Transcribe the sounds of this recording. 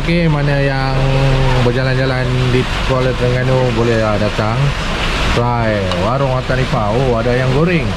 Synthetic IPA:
kemanaja | ŋbərd͡ʒaland͡ʒalandi | kalɛt̪dəŋanubolɛhlahdat̪aŋ | sa | j | waɾʊŋat̪anipauadajaŋɡoɾɪŋ

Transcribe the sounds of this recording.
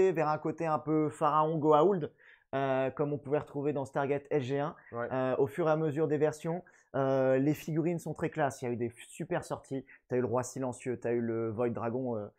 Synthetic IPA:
evɛʁɛ̃kot̪eɛ̃pøfaʁaɔ̃ɡoauld̪ | økɔmɔ̃puvɛʁət̪χuved̪ɑ̃sə̥t̪aʁɡʲɛt̪ʰɛlʒeɛ̃wɛøofyʁeaməzyʁd̪evɛʁsjɔ̃ | ølefiɡʲyʁinsɔ̃t̪χɛklasiljayd̪esypɛʁsɔʁt̪ʰit̪yayləʁwasilɑ̃sjøt̪yayləvɔjd̪ʁaɡɔ̃ø

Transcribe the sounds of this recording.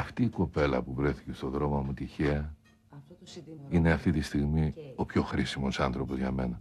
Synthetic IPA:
ɐft̪iːko̞pe̞lɐ̰puvɾe̞θice̞st̪o̞ðɾo̞mɐmut̪içeɐ | ine̞ɐft̪it̪ist̪iɣmio̞pço̞xɾisimo̞sɐnθɾo̞po̞zʝɐme̞nɐ

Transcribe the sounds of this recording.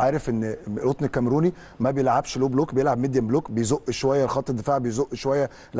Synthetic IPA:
aɾˤefʔenːlʔot̪ˤnekːæmɾuːni | mæbejelʕabʃloːbloːkbejelʕabmed̪jæmbloːkbejzoʔʃowæjːælxɑt̪ˤːed̪ːefaːʕbejezoʔːʃowæjːæ | l

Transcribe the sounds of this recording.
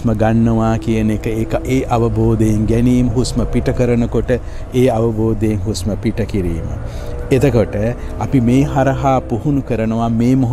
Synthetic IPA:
məɡanːəʋaːkijənekəekʔeːʔɐʋəboːd̪ejeŋɡɛniːməɦusməpiʈɐkəɾənəkoʈə | eːɐʋɐboːd̪ejeŋɦusməpiʈɐkiɾiːmə̰ | et̪əkoʈə | ɐpimeːɦaɾɐɦaːpuhunukəɾənəʋameːmoɦ

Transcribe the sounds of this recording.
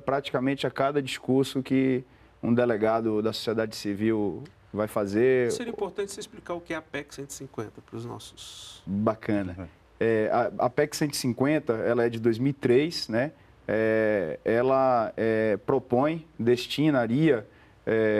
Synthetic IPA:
pɾat͡ʃi̥kamẽt͡ʃɪakad̪ɐd͡ʒiskuɾsʊkɪ | ũd̪eleɡad̪ʊd̪ɐso̥siɛd̪ad͡ʒɪsiviw | vajfazeɾeɾĩpoɾt̪ɐ̃t͡ʃɪ̥seisplikaɾʊkɪɛɐpɛksẽnt̪sĩkwẽnt̪ɐpɾʊznɔ̰sʊ̥sbakʰɐ̃nɐ | ɛaɐ̰pɛksẽnt̪ɪ̥sĩkwẽnt̪ɐɛlɐɛd͡ʒɪd̪ojzmiwit̪ɾejsnɛ | ɛ | ɛlɐɛpɾopõj̃d̪eʃt͡ʃĩnaɾiɐ | ɛ

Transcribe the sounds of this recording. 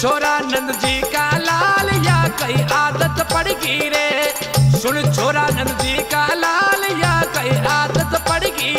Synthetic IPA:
t͡ʃʰoːɾaːnɐ̃nd̪d͡ʒiːkalaːljaːkɐiaːd̪ət̪pɐɽiɡiɾeː | sʊnt͡ʃʰoːɾaːnɐ̃nd̪d͡ʒiːkalaːljaːkɐiaːd̪ət̪pɐɽiɡi

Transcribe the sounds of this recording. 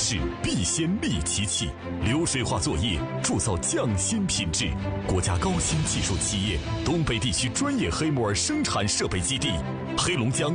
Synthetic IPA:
ʂɻ̩piɕjɛnmit͡ɕʰit͡ɕʰḭ | ljoʊʂweɪxwa̰t͡swɔjɛ | ʈ͡ʂut͡sɑʊt͡ɕjɑŋɕinpʰinʈ͡ʂɻ̩kwɔt͡ɕja̰kɑʊɕint͡ɕiʂut͡ɕʰijɛt̪ʊŋpeɪt̪it͡ɕʰyʈ͡ʂwanjɛxeɪmɔə˞ʂɤŋʈ͡ʂʰanʂɤpeɪt͡ɕit̪i | xeɪlʊŋt͡ɕjɑŋ

